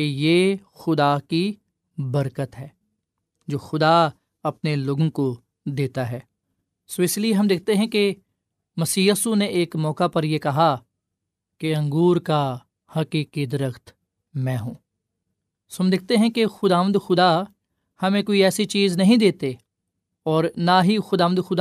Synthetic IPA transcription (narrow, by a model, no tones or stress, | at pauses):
kejeːxʊd̪aːki | bɐɾkət̪ɦɛː | d͡ʒoːxʊd̪a | ɐpneloːɡõko | d̪eːt̪aɦɛː | soɪslieɦɐmd̪ɪk̚ʰt̪eɦɛ̃ke | mɐsiːjiːsuneʔeːkmɔːkapɐɾjekɐɦa | keɐ̃ŋɡuːɾka | hɐkiːkid̪ɐɾəxt̪ | mɛ̃ːɦũː | soɦɐmd̪ɪk̚ʰt̪eɦɛ̃kexʊd̪aːʋə̃nd̪xʊd̪a | hɐmẽkoːiɛːsit͡ʃiːznɐɦĩd̪eːt̪e | ɔːɾnaɦixʊd̪aːʋənd̪xʊd̪a